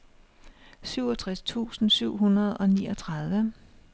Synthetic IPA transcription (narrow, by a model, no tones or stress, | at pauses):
syʊ̰ɒt͡sʰʁast͡sʰṵːsn̩syʊ̰ɦunɐð̩ˠɒ̽niːɒt͡sʰʁað̞ˠʋə